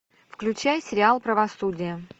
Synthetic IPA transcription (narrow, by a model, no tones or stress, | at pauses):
fklʲʉt͡ɕæjsʲɪɾʲɪalˠpɾəvɐsudʲɪjə